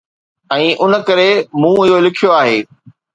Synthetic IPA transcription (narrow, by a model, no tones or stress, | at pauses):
ɛ̃ːʔʊnə̆kɐɾemũːɪɦolɪkʰijoaːɦeː